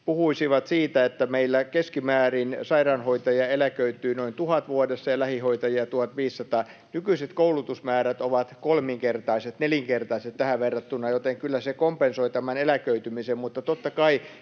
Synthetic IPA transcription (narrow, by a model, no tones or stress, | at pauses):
puhuisiʋɑt̪siːt̪æet̪ːæmeilːækeskimæːrinsɑirɑːnhoit̪ɑjiɑelækøyt̪ˑyːnoint̪uhɑt̪ʋuodesːɑjɑlæhihoit̪ɑjiɑt̪uhɑt̪ʋiːsːɑt̪ɑː | nykyiset̪koulut̪usmæːɾæt̪oʋɑt̪kolmiŋkert̪ɑiset̪neljiŋkert̪ɑiset̪t̪æhæʋʋerːɑt̪ːunːˑɑjot̪eŋkylːæsekompensoit̪æmænelækøyt̪ymisemmut̪ːɑt̪ot̪ːɑkɑi